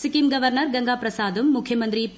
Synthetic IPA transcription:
sikimɡɐʋɐɾnɐɾɡɐŋɡaːpɾɐsaːd̪ɐmːukʰjɐmɐnt̪ɾip

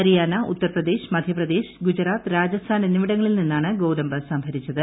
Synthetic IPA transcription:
ɐɾijaːnɐut̪ːɐrprɐd̪e̞ːɕmɐd̪ʱjɐprɐd̪e̞ːɕɡud͡ʑɐɾaːt̪ɨɾaːd͡ʑɐst̪ʰaːnenimiɽɐŋːɐɭilninːaːɳɨɡo̞ːɾɐmbɐsɐmbʱɐɾit͡ɕːɐðɨ

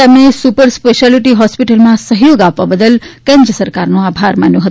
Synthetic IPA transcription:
emnesupəɾspeʃaliʈiɦɔspiʈəlmãsəɦjoɡapʋabəd̪əlkɛ̃ɲd͡ʒəsəɾkaɾnũabʱaɾma̰njõɦət̪

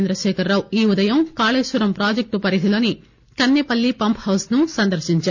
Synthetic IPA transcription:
nd̪ɾɐʃɛːkʰɐɾːɐːwuiːud̪ɐjɐmkaːleːʃʋuɾɐmpɾaːd͡ʒek̚ʈupɐɾiɦ̪ilo̞ːni | kɐnːepɐlːipɐmphɐwsnusɐnd̪ɐɾʃiɲt͡ʃaː

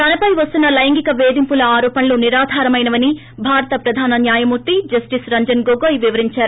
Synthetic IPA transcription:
t̪ɐnɐpɐjʋɐst̪unːɐlɐjɐŋɡikɐʋeːd̪impulɐaːɾɔːpɐnɐloːniɾaːd̪ʱaːɾɐmɐjnɐʋɐni | bʱaːɾɐt̪ɐpɾɐd̪ʱaːnɐnjaːjɐmuɾt̪id͡ʒɐsʈisɾɐɲd͡ʒɐnɡoɡoːjʋiʋɐɾiɲt͡ʃaːɾu

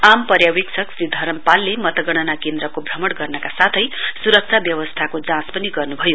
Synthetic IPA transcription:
ampʌrjawiksʰʌksid̪ʱʌɾʌmpalːemʌt̪ʌɡʌɽ̃ʌnakend̪ɾʌkobʱrʌmʌɽɡʌrnʌkasat̪ʰʌjsuɾʌk̚t͡sʰabjʌwʌst̪ʰakod͡zãspʌniɡʌrnubʱʌjo

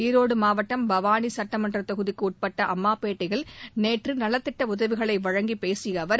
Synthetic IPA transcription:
iːɾoːɽɯmaːʋɐʈːɐmbɐʋaːnisɐʈːɐmɐndrɐt̪ɔɣɯðikːɯuːʈ̚pɐʈːɐʔɐmːaːpeːʈːɐɪɣɐɭneːʈrɯnɐlɐt̪ːɪʈːɐʊðɐʋɪɣɐɭɐɪʋɐɻɐŋɡipeːsɪjɐʋɐɾ

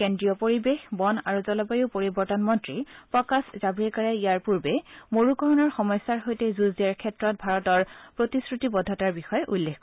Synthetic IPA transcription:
kendɹijɔpoɹibexbɔnaɹuzɔlɔpajupoɹibɔɹtɔnmɔntɹipɹɔkaszabɹɛkaɹɛijaɹpuɹbɛmoɹukɔɹɔnɔɹxɔmɔjsːaɹɦojtɛzuziaɹkʰɛtɹɔt̚bʱaɹɔtɔɹpɹotisɹutibɔdʱataɹbixɔjɛʔulːekk

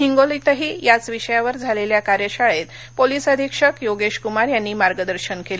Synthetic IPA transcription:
ɦiŋɡolit̪əɦiːjat͡sʋiɕəjaʋəɾd͡zʱaleljakaɾjəɕaɭet̪ | poliːsəd̪ʱikʂəkjoɡeɕkumaɾjanːiːmaɾɡəd̪əɾɕənkel

